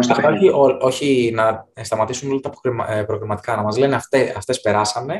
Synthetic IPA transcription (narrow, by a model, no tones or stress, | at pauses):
ost̪ɐft̪ɐoçioo̞çinɐst̪ɐmɐt̪isunlɐt̪ɐːpo̥kɾmpɾo̞ɣɾimɐt̪i̥kɐnɐmɐzle̞neɐft̪eɐft̪e̞spe̞ɾɐsɐne̞